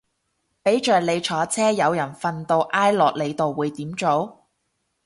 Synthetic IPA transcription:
pe˨˥jt͡ʃœː˨˩k̚le˨˧jt͡ʃʰɔː˨˥t͡sʰɛː˥jɐ˨˧wjɐ˨˩nfɐ˧nt̪o˧wʔaː˥jlɔː˨k̚le˨˧jt̪o˨wːuː˨˧jt̪iː˨˥mt͡so˨˥w

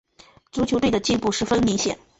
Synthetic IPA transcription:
t͡su˧˥t͡ɕʰjʊe˥˩d̪ə˩t͡ɕi˥˧npu˥˧ʂɻ̩˥˩fə˥nmi˧˥ŋɕjɛ̰˨˩˦n

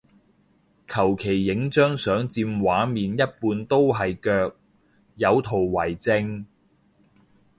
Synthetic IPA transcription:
kʰɐ˨˩wkʰe˨˩jːɪ˨˥ŋt͡ʃœː˥ŋsœː˨˥ŋt͡siː˧mwaː˨˥miː˨njɐ˥t̚puː˧nt̪o˥wɦɐ˨jkœː˧k̚ | jɐ˨˧wt̪ʰo˨˩wwɐ˨˩jt͡sɪ˧ŋ

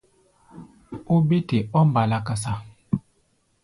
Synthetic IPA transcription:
o˦be˦te˨ɔ˦m̩˦ba˨la˨ka˨sa˨

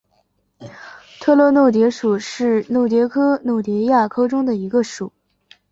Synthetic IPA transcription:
t̪ʰɤ˥˧lɤ˥˧no˥˩ʊt̪jɛ˧˥ʂu˨˩ʂɻ̩˥˩no˥˩ʊt̪̬jɛ˧˥kʰɤ˥no˥˩ʊt̪jɛ˧˥ja˥˩kʰɤ˥ʈ͡ʂʊ˥ŋd̪ə˨i˧˥ɡə˧ʂu˨˩˦

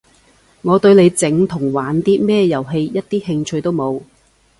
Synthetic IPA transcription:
ŋɔː˨˧t̪ɵ˧ɥle˨˧jt͡sɪ˨˧ŋt̪ʰʊ˨˩ŋwaː˨˥nt̪iː˥mɛː˥˧jɐ˨˩wɦe˧jjɐ˥t̚t̪iː˥hɪ˧ŋt͡ʃʰɵ˧ɥt̪o˥wmo˨˧w

